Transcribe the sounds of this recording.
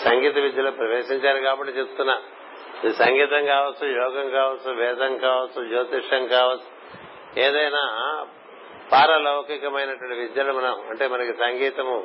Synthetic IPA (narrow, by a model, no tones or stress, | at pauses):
sɐŋɡiːt̪ɐʋid̪ʱjɐlupɾɐʋeːʂiɲt͡ʃaːɾikaːpɐʈːit͡ʃep̚t̪unːaː | ɐd̪isɐŋɡiːt̪ɐŋkaːʋɐt͡sːujɔːɡɐŋkaːʋɐt͡sːuʋɛːd̪ɐŋkaːʋɐt͡sːud͡ʒoːt̪iʂɐŋkaːʋɐt͡sːu̥ | eːd̪ɐjnaː | paːɾɐlɐwkikɐmɐjnɐʈʋɐʈːiʋid̪jɐːlumɐnɐmɐɳʈe̞ːmɐnɐkisɐŋɡiːt̪ɐmu